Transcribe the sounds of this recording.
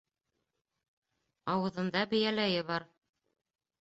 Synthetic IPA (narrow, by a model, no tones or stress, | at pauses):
ɑwɤ̆ðɤ̆nd̪ɑbɘ̆jælæjɘβɑɾ